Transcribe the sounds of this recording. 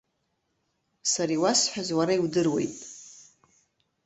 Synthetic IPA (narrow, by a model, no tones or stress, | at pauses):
saɾiwasħʷᶣazwaɾaiwdɨrwe̞̰jtʼ